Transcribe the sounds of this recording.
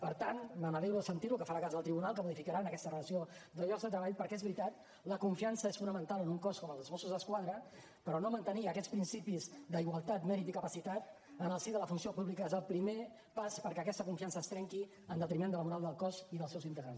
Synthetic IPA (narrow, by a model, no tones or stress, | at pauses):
pəɾt̪anməməðɛwɾuðəsənt̪iɾukəfaɾakazðəlˠt̪ɾiβunalˠkəmuðifikəɾanəkɛst̪ərələsiod̪əʎɔkzðət̪ɾəβaʎpəɾkɛezβɾit̪at̪ | ləkuɱfiansəesfunəmə̃nt̪alˠənuŋkɔskɔməlˠzəzmosuzðəskwaðɾə | pəɾɔnomənt̪əniəkɛspɾinsipizd̪əiɣwəlˠt̪at̪mɛɾit̪ikəpəsit̪at̪ | ənəlˠsiðələfunsiopuβlikəezəlˠpɾime | paspəɾkɛəkɛst̪əkuɱfiansəːst̪ɾɛŋki | ənd̪ət̪ɾimend̪əlmuɾalˠd̪əlˠkɔziðəlˠsɛwzint̪əɣɾans